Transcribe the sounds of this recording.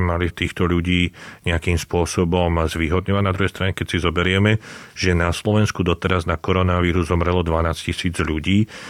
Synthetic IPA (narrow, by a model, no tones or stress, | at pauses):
malit̪iːxt̪ɔʎuɟiːɲɛakiːmspʊɔsɔbɔmzʋiɦɔd̪ɲɔʋanad̪ɾuɦɛjst̪ɾaɲɛkɛcsizɔbɛɾɪɛmɛʒ̥ɛnaslɔʋɛnskud̪ɔt̪ɛɾaznakɔɾɔnaʋiːɾuzːɔmɾɛlɔd̪ʋanaːscisiːd͡zʎuɟiː